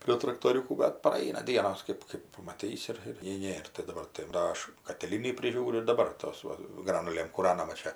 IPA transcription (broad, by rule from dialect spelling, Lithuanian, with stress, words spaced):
pʲrʲiɛ trɐktoːˈrʲuːkuː bʲɛt prɐˈɐɪnɐ ˈdʲiɛnoːs ˈkɜp kɜp pɐmɐˈtʲiːsʲɪ ˈɪr ɪr nʲɛɪ ˈnʲeːr tɐɪ dɐˈbɐr tɐɪ ˈʋɐ ɐʃ kɐtʲɪˈlʲiːnʲiː pʲrʲɪˈʒʲuːrʲʊ ɪr dɐˈbɐr ˈtoːs ˈʋɐ ˈɡrɑːnʊlʲeːm kuːˈrɑːnɐmɐ ˈt͡ʃʲɛ